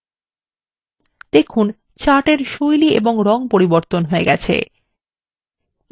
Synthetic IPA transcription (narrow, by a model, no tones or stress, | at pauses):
d̪ekʰun | t͡ɕaʈeɾʃojliʔḛboŋɾɔŋpoɾiboɾt̪onɦoeɡɛt͡ɕʰḛ